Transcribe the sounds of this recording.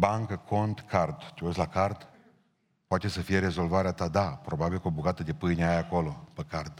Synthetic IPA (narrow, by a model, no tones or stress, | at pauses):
baŋkəkʰo̞nt̪kʰart̪t̪ʲeoslakart̪ | poat̪e̞səfije̞ɾe̞zo̞lvaɾeat̪ad̪apɾo̞babilkobuɡat̪əd̪e̞pɨjneajako̞lo̞pəkart̪